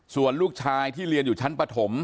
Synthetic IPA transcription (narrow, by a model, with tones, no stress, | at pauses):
su˨˩ənluː˥˩k̚t͡ɕʰaː˧jt̪ʰiː˥˩lɾi˧ənjuː˨˩t͡ɕʰa˦˥npɾa˧t̪ʰo˩˦m